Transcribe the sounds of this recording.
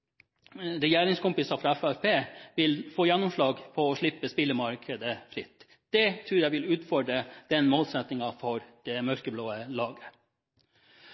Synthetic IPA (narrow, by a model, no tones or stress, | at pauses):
ɾɛjæːɾɪŋskʊmpɪsɑfɾɑɛfæfpʰeːʋɪlfoːjɛnːʊmʂɭɑːɡpʰɔɔːʂɭɪpːəspɪlːəmɑɾkʰəd̪əfɾɪt̪ː | d̪̥ɛt̪ʰɾʉːɾjæɪʋɪlʉːt̪fɔɖɾəd̪̥ɛnmoːlsɛt̪nɪŋɑfɔɾd̪̥ɛmœɾkəbloːəlɑːɡə̥